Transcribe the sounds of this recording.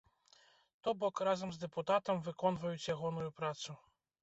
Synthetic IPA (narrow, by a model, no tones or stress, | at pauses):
t̪ɔbɔkrazɐmzd̪ɛput̪at̪ɐmvɨkɔnvɐjut͡sʲjaɣɔnujupɾat̪su